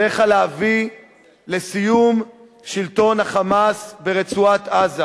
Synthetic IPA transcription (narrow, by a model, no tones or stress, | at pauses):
eχaleavi | lesijum | ʃilto̞nhaχamasbeʁet͡suat̪aza